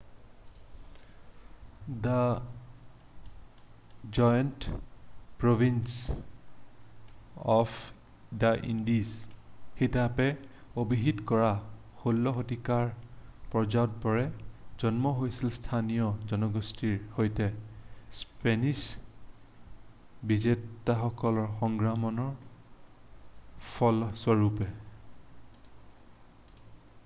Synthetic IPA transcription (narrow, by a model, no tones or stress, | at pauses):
da | d͡ʒɔjnt | pɹobʱins | ɔpʰ | daʔḭndisxitapɛobiɦitkɔɹa | xolːɔɦotikaɹpɹɔzaɔtpɔɹɛzɔnmɔɦojsilstʰanijɔzɔnɔɡostʰiɹhojtɛspenis | bizetːaxɔkɔlɔɹxɔŋɡɹamɔnɔɹ | pʰɔlswɔɹupɛ